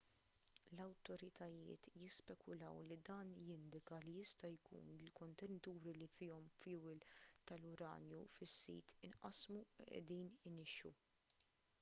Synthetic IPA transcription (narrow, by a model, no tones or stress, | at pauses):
lɐwt̪ɔɾɪt̪ɐjɪ̰ːt̪jɪspɛkʊlɐ̰wlid̪ɐːnjɪnd̪ɪkɐlijɪst̪ɐjkṵːnɪlkɔnt̪ɛnɪt̪uːɾilifɪːɔmfuwɪlt̪ɐlʊɾɐ̰ːnjufɪsːḭːt̪ʰɪnʔɐsmuʔɛ̰d̪iːnɪnɪʃu